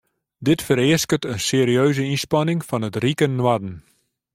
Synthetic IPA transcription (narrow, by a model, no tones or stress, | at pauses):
dɪtfəɾɪəskətənseːɾiøːzəinspɑnɪŋfɔnətrikənːwadən̩